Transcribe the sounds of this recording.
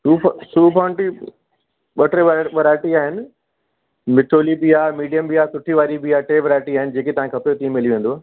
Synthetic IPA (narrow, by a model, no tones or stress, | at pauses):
suːpsuːpʰɔːɪɳʈi | ɓɐʈɾeʋʋɐɾaːɪʈiaːɦɪnɪ̆ | mɪʈʰoːlibiaːmiːɖijəmbiaːsʊʈʰiʋaːɾibiaʈeːʋɐɾaːɪʈiaːɦɪnɪ̆d͡ʑeːket̪ɐʋãkʰɐpjot̪ĩːmeliʋẽːn̆d̪oaː